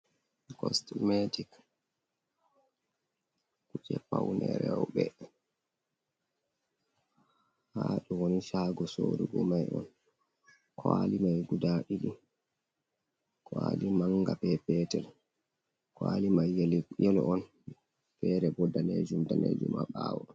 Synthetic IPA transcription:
kɔstmetik | kut͡ʃɛpawnɛɾɛwɓɛ | haɗuwoniʃaːɡɔsoːɾuɡɔmajɔn | kʰwalimajɡudaɗiɗi | kʰwalimaŋːɡapɛpɛtɛl | kwalimajɛljɛlɔʔɔn | fɛɾɛbɔdːaned͡ʒumdaned͡ʒumaɓawɔ

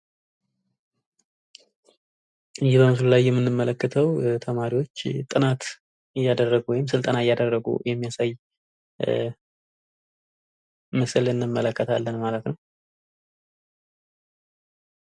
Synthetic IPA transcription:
ʔɨjːɪbəmɨs̬ullajːɛmːɨnːɨmːələkːɨt̪ʰəwt̪ʰəmaɾiwo̞t͡ʃːt̪ʼɨnat̪ | ɨjːad̪ərːəɡuwɔjɪmsɨlt̪ʼənaɪjːad̪ərːəɡṵjɛmːijasaj | məsɨlɨnːɨmːələkːət̪ʰalːənmalət̪nəw

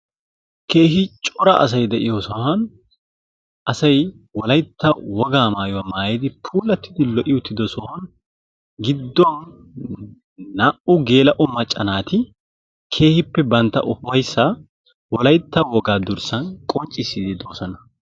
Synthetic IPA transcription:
kʰe̞ːɦɪt͡ʃʼɔɾɐɐ̰s̬ɐjd̪ɛʔɪjoːsɔhɐn | ʔɐsɐj | wɔlɐjt̪ːɐwɔɡaːmaːjʊwɐmaːjɛjd̪ɪpʰuːlːɐt̪ːɪ̥d̪ɪlɔʔɪʊt̪ʰːɪd̪ɔsɔhɐn | ɡɪd̪ːɔn | ɐʔʊɡe̞ːlɐʔʊmɐt͡ʃʼːɐnaːt̪ɪ | kʰe̞ːhɪpːɛbɐnt̪ːɐ̰ʔʊfɐjsːɐ | wɔlɐjt̪ːɐwɔɡaːd̪ʊɾsɐnkʼɔnt͡ʃʼːɪsːɪd̪ɪd̪oːsɐnɐ

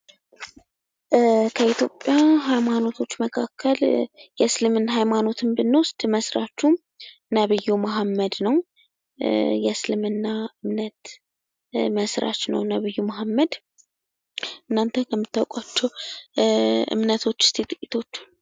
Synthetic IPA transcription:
kʰəit̪ʰjo̞pʼːjaɦajmano̞t̪ʰo̞t͡ʃːməkʰakʰːəljɛslɨmɨnɦajmano̞t̪ʰɨmbɨnːost̪ʼməsɾat͡ʃːu | nəβɨjːumaɦamːəd̪nəw | jɛslɨmɨnːaɨmnət̪ | məsɾʔa̰t͡ʃnə̰wnəβɨjːumaɦamːəd̪ | ɨnːant̪ʰəkʰəmːɨt̪ːawkʼat͡ʃːɛw | ʔɨ̰mnət̪ʰo̞t͡ʃːst̪ʰet̪ʼɨkʼːit̪ʰo̞t͡ʃː

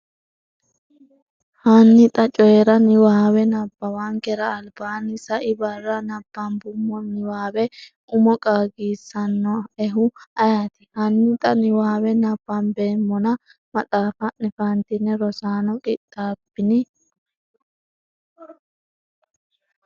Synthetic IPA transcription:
hanːɪt̪ʼɐt͡ʃʼɔjɛɾɐnɪwaːwɛnɐbːɐwaŋkɛɾɐːlbaːnːɪsɐʔɪbɐrːɐnɐb̥ːɐnbʊmːɔnɪwaːbɛ | ʊmɔkʼaːɡiːsːɐnːɔɛɦʊɐjaːt̪ɪ̥hɐnːɪt̪ʼɐnɪwaːwɛnɐb̥ːɐnbeːmːɔnɐ | mɐt̪ʼaːfɐʔnɛfɐnt̪ɪnːɛɾɔsaːnɔkʼɪtʼːaːbɪnɪ

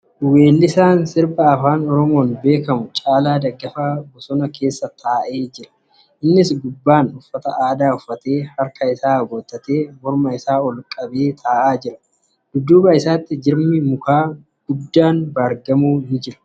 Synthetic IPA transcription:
we̞ːlːɪsaːnsɪɾbɐːfaːnɔɾɔmo̞ːnbe̞ːkɐmʊt͡ʃʼaːlaːd̪ɐɡːɐfaːbɔsɔnɐkʰe̞ːsːɐt̪ʰaːʔe̞ːd͡ʒɪɾɐ̥ | ʔɪnːɪsɡʊbːaːnʊfːɐt̪ɐʔaːd̪aːʊfːɐt̪eːhɐɾkʰɐɪsaːɡoːt̪ʼːɐt̪e̞ːmɔɾmɐɪsaːɔlkʼɐbe̞ːt̪ʰaːʔaːd͡ʒɪɾɐ̥ | d̪̥ʊd̪ːuːbɐɪsaːt̪ːɪd͡ʒɪɾmɪmʊkaː | ɡ̥ʊd̪ːaːnbɐɾɡɐmuːnɪd͡ʒɪɾɐ̥

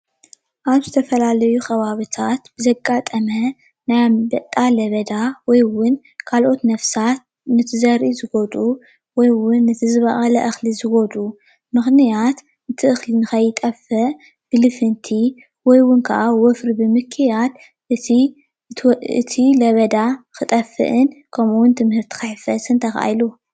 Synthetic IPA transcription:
ʔaβzɨt̪ʰɐfɐlalɐjuxɐβaβit̪ʰat̪bɨzɐɡːat̪ʼɐmɐ | najbɐt̪ʼːalɐβɐd̪awɔjwʊn | kʰalʔo̞t̪nɐfsat̪̚ | nɨt̪ʰɨzɐɾʔizɨɡod̪ʼu | wɔjwʊnːɨt̪ʰɨzɨβɐʔʼɐlɐ̰ʔɨxlizɨɡod̪ʼu | mɨxnijat̪ | ɨt̪ʰɨʔɨxlinɨxɐjːɨt̪ʼɐfɨʔ | b̥ɨlɨfɨnt̪ʰi | wɔjwʊnkʰɐ̰ʔawɔfɾibɨmɨkʰːjat̪ | ʔɨi | ɨ̰t̪ʰilɐβɐd̪akʰɨt̪ʼɐfɨ̰ʔɨnkʰɐmuwʊnt̪ʰɨmhɨɾt̪ʰi̥kɨħfɐsɨnt̪ʰɐxa̰jlu

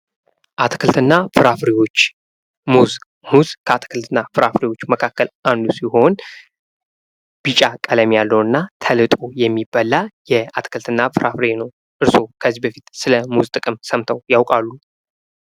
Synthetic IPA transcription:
ʔat̪ʰkʰɨlt̪ʰɨnːafɨɾafɾiwo̞t͡ʃː | muz | muzkʰəat̪ʰkʰɨlt̪ʰɨnːafɨɾafɾiwo̞t͡ʃːməkʰakːəlʔand̪usiho̞n | b̥it͡ʃʼakʼələmjalːəwɨnːat̪ʰəlɨt̪ʼojɛmːibalːajɛat̪kʰɨlt̪ʰɨnːafɨɾafɾenəw | ʔɨɾso̞kʰəzːibəfit̪sɨləmuzt̪ʼɨkʼɨmsəmt̪ʰəwjawkʼalːu

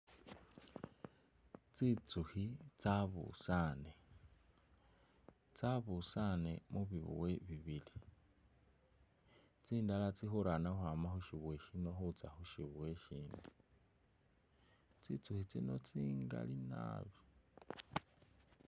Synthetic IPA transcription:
t͡sit͡suhit͡saβṵsane | t͡saβusanemuβiβṵweβiβili | t͡siːndalat͡sixuɾanaxwamaxuʃiβwe̞ʃino̞xut͡sa̰xuʃiβweʃiːndi | t͡sit͡suxit͡sino̞̰t͡siŋɡa̰lina̰ːβi

